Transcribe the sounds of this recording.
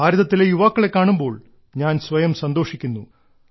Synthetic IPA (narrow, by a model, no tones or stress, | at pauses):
aːɾuðɐt̪ːilejuʋaːkːɐɭe̞kːaːɳumbo̞ːɭ | ɲaːnsʋɐjɐmsɐnd̪oːʂikʲːunːu